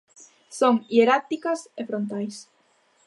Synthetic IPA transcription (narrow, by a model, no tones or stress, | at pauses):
soŋieɾat̪ikɐsefɾont̪ajs